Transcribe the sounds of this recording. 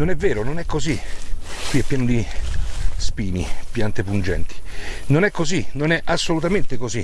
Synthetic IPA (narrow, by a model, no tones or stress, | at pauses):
nonɛvːeːɾononɛkːozikwiɛpːjɛːnod̪i | spiːnḭpjant̪epund͡ʒɛ̰nt̪i̥nonɛkːozinonɛʔasːolut̪ament̪ekozi